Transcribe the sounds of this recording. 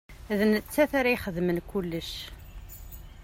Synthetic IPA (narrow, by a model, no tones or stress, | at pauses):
æðənət͡sːæθaɾajχəðmənkulːəʃ